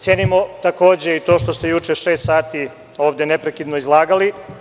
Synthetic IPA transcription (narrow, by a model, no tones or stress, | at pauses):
t̪sʲjeːnimot̪ako̞ːd͡ʑe̞it̪o̞ːʃt̪ost̪e̞jut͡ʃeʃeːst̪saːt̪i | o̞ːʋd̪enepɾekid̪noizlˠaːɡali